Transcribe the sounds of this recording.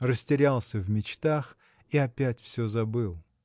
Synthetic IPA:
rəsʲtʲɪɾʲalˠsʲəvmʲɪt͡ɕt̪ax | iɐpʲætʲfsʲɵzɐbɨlˠ

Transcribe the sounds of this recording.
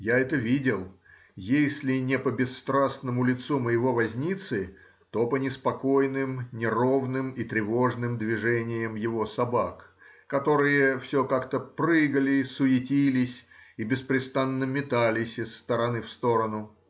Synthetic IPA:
jaɛt̪əvʲidʲɪlˠ | jesʲlʲɪnʲɪpəbʲɪsːt̪ɾasnəmʊlʲɪt̪suməjɪvo̞vɐzʲnʲit̪sɨ | t̪o̞pənʲɪspɐko̞jnɨmnʲɪro̞vnɨmit̪ɾʲɪvo̞ʐnɨmd̪vʲɪʐɛnʲɪjəmjɪvo̞sɐbakkɐt̪o̞ɾɨjəfsʲokakt̪əpɾɨɡəlʲɪsʊjɪtʲilʲɪsʲibʲɪspɾʲɪst̪anːɨmʲːɪt̪alʲɪsʲɪsːt̪əɾɐnɨfst̪o̞ɾənʊ

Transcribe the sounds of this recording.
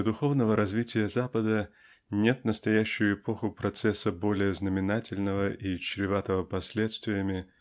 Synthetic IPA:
d̪ʊxo̞vnəvəɾɐzvʲitʲɪjəzapəd̪ə | nʲe̞t̪nəst̪ɐjæɕːʊjʊɪpo̞xʊpɾɐt̪sɛsːəbo̞lʲɪjəznəmʲɪnatʲɪlʲnəvəʔit͡ɕɾʲɪvat̪əvəpɐsʲlʲe̞t̪st̪vʲɪjəmʲɪ

